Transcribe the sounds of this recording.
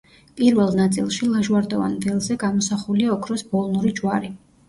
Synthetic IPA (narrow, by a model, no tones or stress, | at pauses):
pʼiɾvɛlˠnat̪sʼḭlˠʃilˠaʒwaɾd̪ɔva̰nvɛlˠzɛɡamɔsaχuliaɔkʰɾɔsb̥ɔlˠnuɾid͡ʒwaɾi